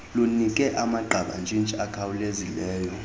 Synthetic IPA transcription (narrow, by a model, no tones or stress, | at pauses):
lunikʼɛʔamaɡ͡ǃʱaɓa̰nd͡ʒʱint͡ʃʼakʰawulezilɛːjɔ